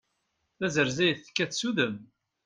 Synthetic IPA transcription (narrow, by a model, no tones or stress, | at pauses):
θæzəɾzæjθkːæθsuðəm